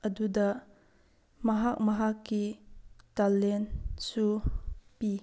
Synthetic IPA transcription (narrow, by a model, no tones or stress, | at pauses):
ʔɐdudɐ | mɐɦak̚mɐɦakːitalɛnsupi